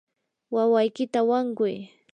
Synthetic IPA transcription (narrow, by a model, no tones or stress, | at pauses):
wawajkɪt̪awaŋkʊj